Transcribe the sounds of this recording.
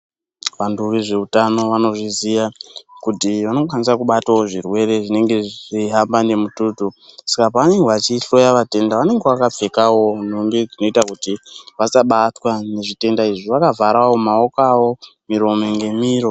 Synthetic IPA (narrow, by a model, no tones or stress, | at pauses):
ʋanduʋiʐe̞utano̞ʋano̞ʐizijakutiʋano̞kwanisakuɓatawoʐirwe̞ɾe̞ʐine̞ŋɡe̞ʐʐiɦambane̞mututusakapaːne̞ŋɡeʋat͡ʃiɬo̞jaʋate̞ndaʋane̞ŋɡeʋakap͡fe̞kawo̞n̤umbid͡zino̞itakutiʋasaɓatwane̞ʐite̞ndaiʐiʋakavaɾawo̞maokawo̞miɾo̞meŋɡe̞miːɾo̞